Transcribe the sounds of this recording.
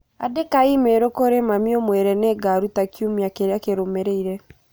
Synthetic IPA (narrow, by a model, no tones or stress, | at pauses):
adekaimeɾokoɾemamiɔmwɛɾɛnɛːɡaɾutakjumiakeɾeakeɾomɛɾɛiɾɛ